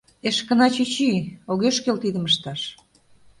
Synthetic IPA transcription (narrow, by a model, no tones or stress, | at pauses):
eʃkə̆nɑt͡ɕyt͡ɕioɣeʃkelt̪id̪ə̆məʃt̪ɑʃ